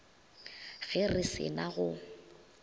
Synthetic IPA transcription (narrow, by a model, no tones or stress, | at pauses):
fɪrɪsɪ̰naɣʊ